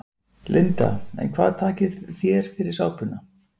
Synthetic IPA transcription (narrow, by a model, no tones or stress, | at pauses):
lʔɪnt̪a̰ɛ̰nkʰvaːðt̪ʰaːcɪθjɛɾ̥fɪɾɪɾ̥saːwpʏna